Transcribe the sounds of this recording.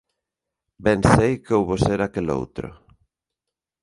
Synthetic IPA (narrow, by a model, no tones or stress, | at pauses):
bɛnsejkowβoseɾakelo̰wt̪ɾʊ̰